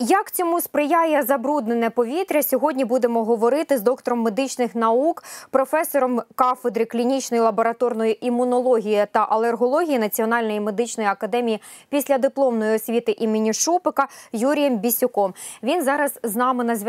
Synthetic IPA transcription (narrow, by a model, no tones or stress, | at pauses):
jɐkt͡sʲɔmuspɾɪjajɛzɐbɾud̪̚ne̞nɛpɔʋʲit̪ɾʲɐsʲɔɦɔdʲnʲibud̪emɔɦɔʋɔɾɪt̪ɪzd̪ɔkt̪ɔɾɔmːed̪ɪt͡ʃnɪxnɐukpɾɔfɛsɔɾɔmkɑfed̪ɾɪklʲinʲit͡ʃnɔjilˠɐbɔɾɐt̪ɔrnɔjiʔimːʊnɔlˠɔɦʲijɐt̪ɐʔɐlˠerɦɔlˠɔɦʲijinɐt͡sʲiɔnɑlʲnɔjime̞d̪ɪt͡ʃnɔjiɐkɐd̪ɛmʲijipʲisʲlʲɐd̪ɪplˠɔmnɔjiɔsʲʋʲit̪ɪʔimɪnʲiʃupɪkɐjuɾʲijɛmbʲisʲʊkɔmʋʲinzɑɾɐzznɑmɪnɐzʲʋʲ